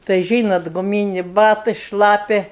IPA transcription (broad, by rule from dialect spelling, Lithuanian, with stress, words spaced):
tɐɪ ˈʒʲiːnɐt ɡʊˈmʲiːnʲeː ˈbɑːtɜ ˈʃlˠɑːpʲɛ